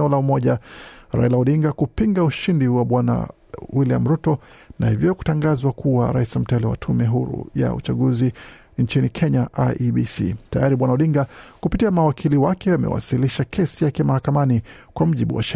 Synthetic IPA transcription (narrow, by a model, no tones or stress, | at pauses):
ɔlaumɔʄaɾa̰ilauɗiŋɡakupiŋɡauʃindiwaɓwana̰ | wilia̰m̩ɾutɔnahivjɔku̥taŋɡazwakʰuaɾa̰isam̩tɛliwa̰tʰumɛɦuɾṵja̰ṵt͡ʃaɠuzi | nt͡ʃinikʰɛɲaʔaʔɓisḭta̰jaɾiɓwanauɗiŋɡakupitiamawakʰiliwakʰɛamɛ̰wa̰siliʃakʰɛsijakɛmahakamani | kwam̩ʄiɓṵwa̰ʃɛ